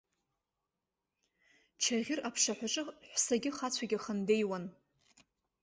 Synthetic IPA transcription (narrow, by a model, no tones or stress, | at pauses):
t͡ʃʰaʁʲɪrapʰʂaħʷᶣaʈ͡ʂʼɨħʷsaɡʲɪχat͡sʷʰaɡʲɪχandejwan